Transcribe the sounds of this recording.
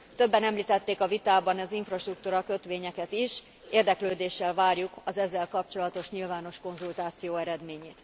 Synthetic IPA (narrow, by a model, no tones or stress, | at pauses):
t̪ø̞bːɛnɛmliːt̪ɛt̪ːeːkɒvit̪aːbɒnɒziɱfrɒʃt̪rukt̪uːɾɒkø̞t̪ʋeːɲɛkɛt̪iʃ | eːrd̪ɛkløːd̪eːʃːɛlvaːrjukɒzɛzːɛlkɒpt͡ʃo̞lɒt̪o̞ʃɲilvaːno̞ʃko̞nzult̪aːt̪sijoːɛɾɛd̪meːɲeːt̪